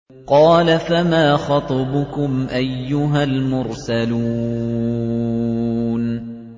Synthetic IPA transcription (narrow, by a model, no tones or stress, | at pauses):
qɑːlafamaːxɑt̪ˤɑbʊkʊmʔajːʊɦalmʊɾsaluː | n